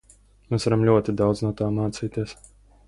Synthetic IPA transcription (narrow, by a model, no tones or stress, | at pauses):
meːsvaɾamlʲuɔt̪id̪awd̪znuɔt̪aːmaːt̪siːt̪iɛs